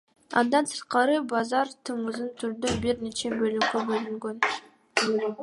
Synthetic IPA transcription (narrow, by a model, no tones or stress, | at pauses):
ɑ̰nd̪ɑnsɯ̥ɾt̪̚qɑɾɯbɑzɑɾt̪ʰɯmɯzɯnt̪ʰyɾd̪øbiɾne̞t͡ʃe̞bølyɡøbølyŋɡøn